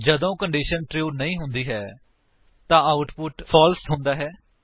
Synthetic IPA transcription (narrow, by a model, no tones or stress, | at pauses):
d͡ʒəd̪õːkəɳɖiːʃənʈɾiːnəĩːɦʊnd̪iːɦɛː | t̪ãːaːʊʈpʊʈpʰɔːlsɦʊ̃nd̪aːɦɛː